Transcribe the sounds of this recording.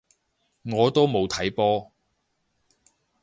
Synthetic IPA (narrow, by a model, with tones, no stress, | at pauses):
ŋɔː˨˧t̪o˥wmo˨˧wt̪ʰɐ˨˥jpɔː˥